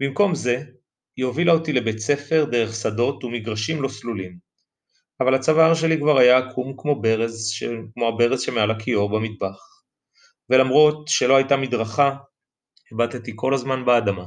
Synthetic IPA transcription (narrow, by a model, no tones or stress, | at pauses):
bimko̞mze̞ | jovilaotile̞bett͡se̞fe̞ʁd̪e̞ʁe̞χsado̞tumiɡʁaʃimlo̞slulim | avalat͡savaʁʃ̬e̞likvaʁajaːkʰumkmo̞beʁezʃkmoabe̞ʁezʃemealakʰio̞bamid̚baχ | ve̞lamʁo̞tʃe̞lo̞hajtamid̪ʁaχa | hebat̪et̪iko̞lazmanbeadama